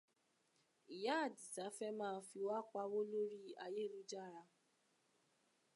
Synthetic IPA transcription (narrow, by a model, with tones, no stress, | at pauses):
i˨ja˨˦a˦˨di˨ta˨˦fɛ˦mãː˦˨˧fi˧wa˦k͡pa˧˦wo˦lo˦ɾi˦a˧je˦˨lu˦d͡ʒa˦˨ɾa˧